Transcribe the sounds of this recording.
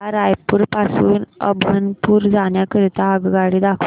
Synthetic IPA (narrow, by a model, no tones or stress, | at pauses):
aɾajpuːɾpasuːnə̰bʱənpuːɾd͡zaɳjakəɾit̪aəɡɡaɽiːd̪akʰ